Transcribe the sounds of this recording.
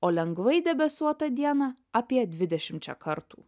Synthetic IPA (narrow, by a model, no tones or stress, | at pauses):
oːlʲɛŋɡʋɐɪd̪ʲɛbʲɛsuɔt̪ɐd̪ʲiɛnɑ | apʲiɛd̪ʲʋʲɪd̪ʲɛʃʲɪmʲt͡ʃʲɛ̰kɐɾt̪ṵː